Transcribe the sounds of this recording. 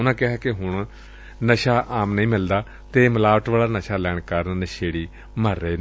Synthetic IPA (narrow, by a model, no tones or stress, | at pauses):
ʊnãːkɪɦaːkɪɦʊɳ̃ | nəʃaːʔaːmnəĩːmɪld̪aː | t̪eːməlaːʋəʈʋaːlaːnəʃaːlɛːɳ̃kəɾnnəʃeːɽiː | məɾːəeː